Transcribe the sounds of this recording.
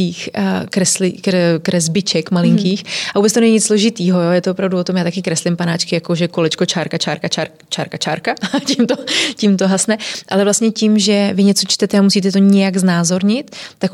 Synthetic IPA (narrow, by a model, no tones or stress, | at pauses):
iːxkɾɛslɪkkɾɛzbɪt͡ʃɛkmalɪŋkiːxʔaʔubɛt͡st̪onɛɲiɲɪt͡sslo̞ʒɪt̪iːɦo̞joːjɛt̪oopɾavduvo̞t̪omjaːt̪akɪkɾɛslɪmpanaːt͡ʃkɪjako̞ʒɛko̞lɛt͡ʃko̞t͡ʃaːɾkat͡ʃaːɾkat͡ʃaːɾ | t͡ʃaːɾkat͡ʃa̰ːɾkacɪmt̪ocɪmt̪oɦasnɛʔalɛvlast̪ɲɛcɪmʒɛvɪɲɛt͡so̞t͡ʃt̪ɛt̪ɛamusiːt̪ɛt̪o̞ɲɛjaɡznaːzo̞ɾɲɪt̪ːak